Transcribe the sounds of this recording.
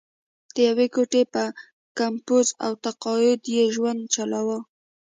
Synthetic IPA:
d̪̥əjawekoʈepə | kampuza̰wt̪aqɑjʊd̪jeʒwand̪̚t͡ʃalawə

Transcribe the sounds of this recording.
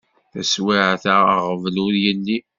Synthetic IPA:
θæswiʕθəəʁəvlʊɾjəlːi

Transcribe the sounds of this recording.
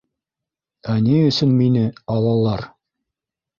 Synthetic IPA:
æniɵ̆sɵnminɘɑlˠɑlˠːɑɾ

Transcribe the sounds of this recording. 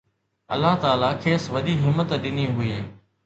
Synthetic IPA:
ɐ̰lːaɦt̪aːlakʰeːsʋɐɗiɦɪmːət̪ɗɪniɦʊiː

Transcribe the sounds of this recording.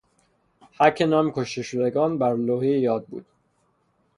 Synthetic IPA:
hækʰːenɒːmkʰoʃt̪eʃod̪eɡɒːnbæɾloːhejjɒːd̪̚bṵːd̪̥

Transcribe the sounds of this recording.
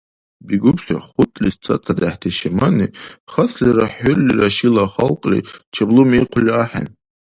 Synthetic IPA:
biɡʊpʰʃʷᶣa̰χʷʊtʼlist͡sʰʼat͡sʰadaħtʰeʃemaniχasliraħʊlːiraʃilaχalqʼlḭt͡ʃʰablumejqʷʰlʲiaħa̰n

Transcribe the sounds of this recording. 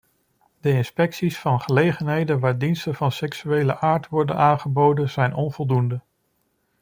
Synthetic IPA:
d̥əɪnspɛksisfɑnχəlejχənɦejdənʋaːɹdinstənvɑnsɛksyejləʔaːɹtʋɔɹdənʔaːnχəbowdənz̥ɛjnɔnvɔlˠdundə

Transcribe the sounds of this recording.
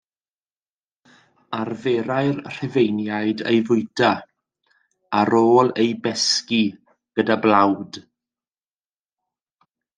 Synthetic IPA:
arveːɾaɨrr̥ɪvejnjajdḛjvʊɨda | aɾoːlˠejbɛski | ɡ̥ədablawd̥

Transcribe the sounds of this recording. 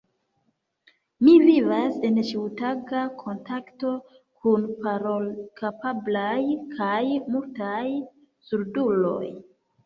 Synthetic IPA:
mivivase̞nt͡ʃiutaɡakʰo̞ntakto̞ | kʰunpaɾokapablajkʰajmultaj | suɾdulo̞̰j

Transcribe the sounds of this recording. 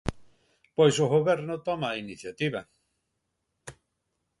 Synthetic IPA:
pojsoɣoβɛɾnʊt̪ɔmainiθjat̪iβɐ

